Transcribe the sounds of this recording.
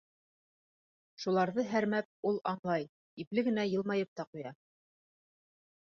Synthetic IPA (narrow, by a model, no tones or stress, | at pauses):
ʃulˠɑɾðɤɦæɾmæp̚ulˠɑɴlˠɑj | iplɘɡɘ̆næjɤ̆lˠmɑjɤp̚t̪ɑqujɑ